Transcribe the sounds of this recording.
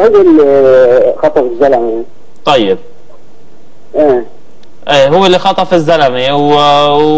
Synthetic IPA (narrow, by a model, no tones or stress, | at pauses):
hʊwːɪl | xɑt̪ˤɑfɪzːalami | t̪ˤɑjːɪb̚ | ʔeː | ʔeːɦʊwːɪlːixɑt̪ˤɑfɪzːalamiw